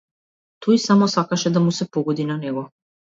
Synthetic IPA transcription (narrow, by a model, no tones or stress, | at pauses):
t̪ʰɔisamɔsakaʃɛd̪amusɛpɔɡɔd̪inanɛɡɔ